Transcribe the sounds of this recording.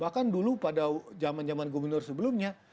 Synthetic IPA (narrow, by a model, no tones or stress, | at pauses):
bahkandulupadad͡ʒamand͡ʒamanɡobərnɔrsəbəlʊmɲa